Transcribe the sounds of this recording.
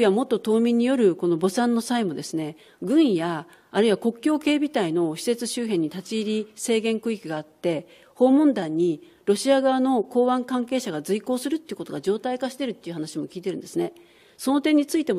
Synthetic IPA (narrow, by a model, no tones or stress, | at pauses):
iβamo̞t̪ːo̞t̪o̞ːmʲĩɲ̟ːijo̞ɾɯ̟ko̞no̞bo̞sãnːo̞saimo̞d̪e̞sɨne̞ | ɡɯ̟̃ɰjaː | ɾɯ̟iβako̞kʲo̞ːke̞ːbʲit̪aino̞ɕi̥se̞t͡sɨɕɨːɦẽ̞ɲ̟ːit̪at͡ɕiːɾʲise̞ːɡẽ̞ŋkɯ̟ikʲiɡaːt̪ːe̞ | ho̞ːmõ̞nd̪ãɲ̟ːi | ɾo̞ɕiaɡaβano̞ko̞ːβãŋkãŋke̞ːɕaɡad͡zɨiko̞ːsɨɾɯ̟t̪ːe̞iɯ̟ko̞t̪oɡad͡ʑo̞ːt̪aikaɕi̥t̪e̞ɾɯ̟t̪ːe̞iɯ̟ɦanaɕimo̞kʲiːt̪e̞ɾɯ̟̃nd̪e̞sɨne̞ | so̞no̞t̪ẽ̞ɲ̟ːit͡sɨit̪e̞mo